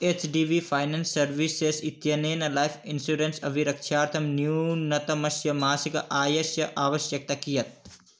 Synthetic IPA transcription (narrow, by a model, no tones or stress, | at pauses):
eːt͡ʃɖiːʋifʰɐjnɐnsːɐɾʋiːsesit̪jɐneːnɐlaːjfʰinsuɾensɐʋʱiɾɐkʃaːɾt̪ʰɐmnjunɐt̪ɐmɐsjɐmaːsikɐʔaːjɐsjɐʔaːʋɐʃjɐk̚t̪ɐkijɐt̪̚